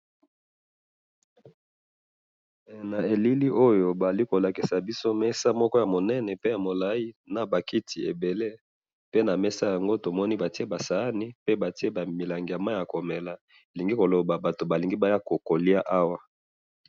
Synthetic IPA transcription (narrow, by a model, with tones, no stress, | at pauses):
na˨e˨li˦li˦ʔo˦jo˨ba˨a˨li˦ko˨la˨ki˨sa˨bi˦so˦mɛ˦sa˦mɔ˦kɔ˦ja˨mo˨nɛ˦nɛ˨pe˦ja˨mo˨la˦i˦na˨ba˨ki˦tʰi˨e˨be˨le˦ | pe˦na˨mɛ˦sa˦ja˨ŋɡo˦to˨mɔ˦ni˦ba˨ti˦e˦ba˨sa˨a˦ni˦pe˦ba˨ti˦e˦ba˨mi˨la˨ŋɡi˨ja˨ma˦ja˨ko˨mɛ˨la˨ | e˨li˨ŋɡi˦ko˨lo˨ba˨ba˨to˨ba˨li˨ŋɡi˦ba˨˦ja˦ko˨ko˨li˦a˦ʔa˦wa˦